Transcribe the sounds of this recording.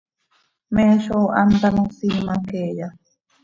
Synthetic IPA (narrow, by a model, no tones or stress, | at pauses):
mẽːʃoːʔant̪anũsimakeːja